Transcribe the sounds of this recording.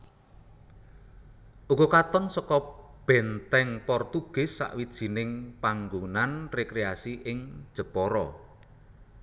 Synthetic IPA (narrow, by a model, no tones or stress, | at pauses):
ʔuɡokat̪ɔnsɔkɔb̥ɛnt̪ɛŋpɔrt̪uɡ̥ɪ̤sːa̰ʔwid̥ʒ̥i̤nɪŋpaŋɡunanrekɾeasiʔɪŋd̥ʒ̥ə̤pɔɾɔ